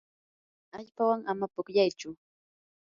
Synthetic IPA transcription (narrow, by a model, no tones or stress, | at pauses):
aʎpawaŋamapʊkʎajt͡ʃʊ